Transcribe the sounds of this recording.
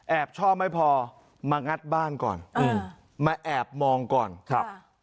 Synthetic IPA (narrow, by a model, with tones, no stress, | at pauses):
ʔɛː˨˩p̚t͡ɕʰɔː˥˩p̚ma˥˩jpʰɔː˧ | maː˧ŋa˦˥t̪̚baː˥˩nkɔ̰ː˨˩nɯː˧˩ | maː˧ʔɛː˨˩p̚mɔː˧ŋkɔː˨˩nkʰa˦˧˩p